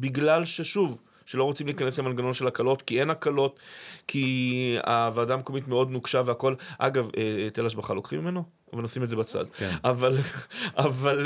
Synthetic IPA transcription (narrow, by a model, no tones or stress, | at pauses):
biɡlalʃe̞ʃuv | ʃelo̞ʁot͡simliːkaneslemalɡano̞nʃe̞lakalo̞tkie̞nakalo̞tkʰia̰vaːdameko̞mit̪me̞o̞dnuɡʃaveako̞lʔa̰ɡavet̪elaʃbaχalo̞kχimimeno̞ | avalnosimetzebat͡sa̰d̪̰avalaval